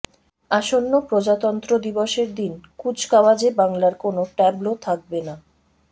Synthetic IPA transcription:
aʃonːopɾod͡ʑat̪ɔnt̪ɾod̪iboʃeɾd̪inkud͡ʑkawad͡ʑebaŋlaɾkonoʈɛblot̪ʰak̚bena

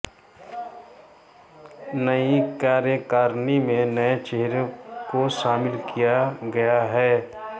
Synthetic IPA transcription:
nəikaːɾjəkaːɾnimẽnɐet͡ʃeɦɾokoʃaːmɪlkijaɡɐjaɦɛː

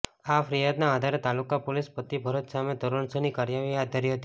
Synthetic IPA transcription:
afɾijad̪naːd̪ʱaɾet̪alukapolɪspət̪ːibʱəɾot̪samed̪oɾəɳsənikaɾjaʋijad̪̚aɾiɦət̪i

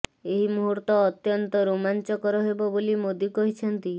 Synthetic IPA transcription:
eɦimuɦuɾt̪ɔːt̪jɔnt̪ɔɾumant͡ʃɔkɔɾɔɦebɔbolimod̪jukɔɦit͡ʃʰɔnt̪i

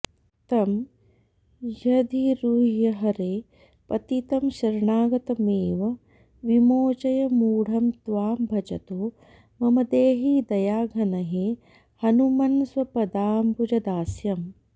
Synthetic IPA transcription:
t̪ɐm | jɐd̪iɾuɦjɐɦɐɾeː | pɐt̪it̪ɐmʃɐɾɳaːɡɐt̪ɐmeːʋɐ | ʋimoːt͡ʃɐjɐmuːɽ̤ɐmt̪ʋaːmbʱɐt͡ʃɐt̪oː | mɐmɐd̪eːɦiːd̪ɐjaːɡʱɐnɐɦe | hɐnumɐnswɐpɐd̪aːmpud͡ʒɐd̪aːsjɐm

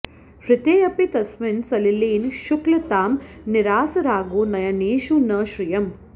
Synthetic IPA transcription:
fɾɪt̪eːɐpit̪ɐsmɪnsɐliliːnʃuklɐt̪aːmniɾaːsɐɾaːɡuːnɐjɐneːʃunɐʃɾijɐm

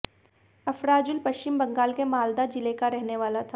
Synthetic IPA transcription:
ɐfɾaːd͡ʒʊlpɐʃt͡ʃɪmbɐ̃ŋɡaːlkemaːld̪ad͡ʒɪlekaɾɛɦneʋaːlat̪ʰa

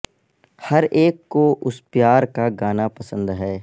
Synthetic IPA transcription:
hɐɾʔeːkːoʔʊspjaːɾkaɡaːnapɐsə̃nd̪ɦɛː

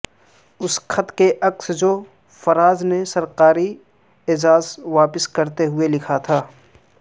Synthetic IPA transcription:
ʊskʰɐt̪keʔɐksd͡ʒo | fɐɾaːznesɐɾqaːɾi | ɪd͡ʒaːzʋaːpɪskɐɾt̪eɦʊelɪkʰat̪ʰaː

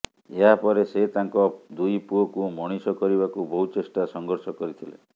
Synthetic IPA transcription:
eɦapɔɾeset̪aŋkɔd̪ujpuokumɔɽ̃isɔkɔɾiβakubɔɦut͡ʃesʈasɔŋɡɔɾsɔkɔɾit̪ʰilḛ

